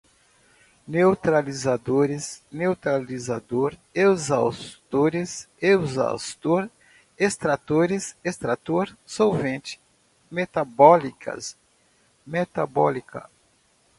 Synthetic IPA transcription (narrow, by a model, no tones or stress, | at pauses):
newt̪ɾalizad̪oɾɪznewt̪ɾalizad̪oɾewzawst̪oɾɪs | ewza̰st̪oɾ | est̪ɾat̪oɾɪsest̪ɾat̪oɾsowvẽnt͡ʃɪ̥ | met̪abɔlikʰɐ̰s | met̪abɔlikʰɐ̰